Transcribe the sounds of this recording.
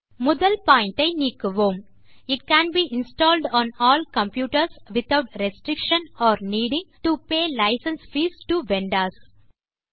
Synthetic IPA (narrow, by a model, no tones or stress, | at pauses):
mɔd̪əlpãɪ̃ɳʈeniːkʋõːm | ɪʈkæ̃ːnbiːʔɪ̃nsʈɔːlɖɔ̃ːnɔːlkɐ̃mpjuːʈəɾsʋɪt̪ʰaʊʈɾesʈɾɪkʃə̃nɔːɾniːɖɪ̃ŋʈupeːlaɪsə̃nsfiːsʈuʋẽɳɖaːs